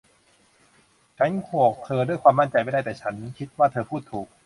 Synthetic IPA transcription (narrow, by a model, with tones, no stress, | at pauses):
t͡ɕʰa˦˥nkʰu˨˩ək̚t̪ʰɤː˧ɾɯ˥˩əjkʰwaː˧ma˥˩nt͡ɕa˧jpa˥˩da˥˩t̪ɛː˨˩t͡ɕʰa˦˥nkʰi˦˥t̪̚waː˥˩t̪ʰɤː˧pʰuː˥˩t̪ʰːuː˨˩k̚